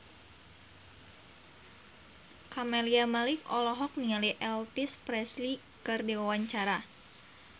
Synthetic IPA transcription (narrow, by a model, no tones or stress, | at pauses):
kamɛliamalikɔlɔɦɔk̚niŋaliʔɛlpispɾɛsli | kɨrdiwawaɲt͡ʃaɾa